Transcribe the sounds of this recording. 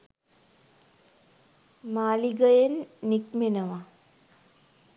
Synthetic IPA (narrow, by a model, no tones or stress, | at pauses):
maːliɡɐjɐnːikmenɐma